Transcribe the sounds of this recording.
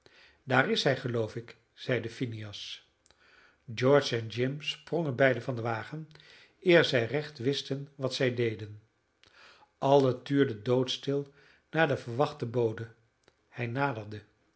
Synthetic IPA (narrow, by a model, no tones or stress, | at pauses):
daːrɪsɦɛjχəlowfɪk | z̥ɛjdəfiniɑs | d͡ʒɔɹt͡ʃɛnd͡ʒɪmsproŋənbɛjdəvɑndəʋaːχən | ɪːɹzɛjrɛχtʋɪstənʋɑtsɛjdejdən | ʔɑlˠətyːɹdədowtstɪlˠ | naːɹdəvəɹʋɑχtəbowdə | hɛjnaːdəɹdə